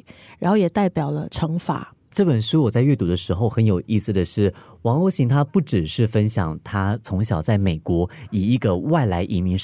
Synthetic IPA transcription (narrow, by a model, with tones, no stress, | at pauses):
ɻa˧˥nxo˥˩ʊjɛ˨˩t̪a˥˩ɪpjɑ˨˩ʊlə̰˦ʈ͡ʂʰɤ˧˥ŋfa̰˨˩˦ | ʈ͡ʂɤ˥˩pə˨˩nʂu˥wɔ˨˩t͡sa˥˧ɪɥɛ˥˩t̪u˧˥d̪ə˦ʂɻ̩˧˥xo˧ʊxə˧˥njo˨˩ʊʔi˥˩sɹ̩˩d̪ə˩ʂɻ̩˥˩wɑ˧˥ŋo˧˥ɕi˧˥ŋt̪ʰa˥pu˥˩ʈ͡ʂɻ̩˨˩ʂɻ̩˥˩fə˥nɕjɑ˨˩ŋt̪ʰa˥t͡sʰʊ˧˥ŋɕjɑ˨˩ʊt͡sa˥˩ɪme˨˩ɪkwɔ˧˥i˨˩i˧˥ɡə˧wa˥˩ɪla˧˥ɪʔi˧˥mi˧˥ŋ